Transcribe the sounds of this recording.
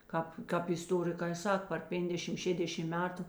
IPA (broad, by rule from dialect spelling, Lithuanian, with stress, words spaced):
ˈkɑːp ˈkɑːp ɪsˈtoːrʲɪkɐɪ ˈsɐk pɐr ˈpʲɛŋɡdʲɛʃʲɪm ˈʃʲeːdʲɛʃʲɪm ˈmʲæːtʊ